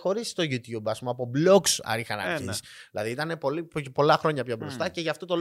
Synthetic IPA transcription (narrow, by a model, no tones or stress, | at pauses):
xo̞ɾist̪o̞ʝut̪jubɐspumɐpo̞blo̞ksɐ̰ɾixɐnɐ̰isilɐðiit̪ɐne̞po̞lippo̞lɐxɾo̞ɲɐpçobɾo̞st̪ɐce̞ʝɐft̪ot̪o̞l